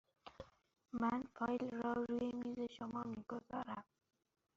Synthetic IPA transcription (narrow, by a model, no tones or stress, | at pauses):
manfʰɒjlɾɔɾujemizeʃʊmɒmiɡʊzɑɾam